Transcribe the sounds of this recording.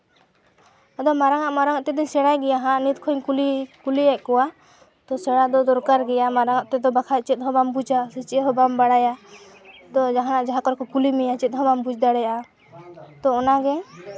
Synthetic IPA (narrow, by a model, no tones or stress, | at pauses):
ad̪ɔmaɾaŋaʔmaɾaŋaʔt̪ɛd̪iɲsɛɽajɡɛjaɦãʔnit̪̚kʰɔjnkulikuliɛʔkɔwa | t̪ɔsɛɽad̪ɔd̪ɔɾkaɾɡɛjamaɾaŋaʔt̪ɛd̪ɔbakʰat͡ʃɛt̪̚ɦɔbambud͡ʒasit͡ʃɛt̪ɦɔbambaɽaja | d̪ɔd͡ʒaɦanaʔd͡ʒaɦakɔɾkɔkulimɛjat͡ʃɛt̪̚ɦɔbambud͡ʒd̪aɽɛjaʔa | t̪ɔɔnaɡɛ